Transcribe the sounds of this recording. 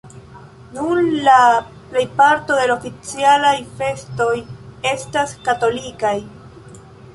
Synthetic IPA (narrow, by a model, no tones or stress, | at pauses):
nuɾla | ple̞jpaɾto̞de̞lofit͡sialajfe̞sto̞je̞staskato̞likaj